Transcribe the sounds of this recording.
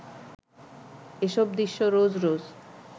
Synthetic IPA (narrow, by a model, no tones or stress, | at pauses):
eʃɔb̚d̪iʃːoɾod͡ʑɾod͡ʑ